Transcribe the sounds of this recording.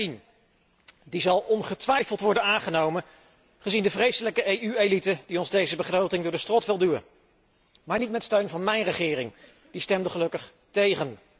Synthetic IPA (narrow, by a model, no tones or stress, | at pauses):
in | dizɑlˠɔnχətʋɛjfəlˠtʋɔɹdənaːnχənowmən | χəzindəvrejsələkəʔejyelitəd̥iɔnzdejzəbəχrowtɪŋdʊːɹdəstrɔtʋɪlˠdyə̰n | maːɹnitmɛtstøɥnvɑnmɛjnrəχɪːrɪŋ | distɛmdəχəlɵkəχ | tejχən